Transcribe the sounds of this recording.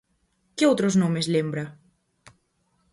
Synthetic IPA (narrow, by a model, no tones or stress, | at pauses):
keot̪ɾoznõmezlembɾa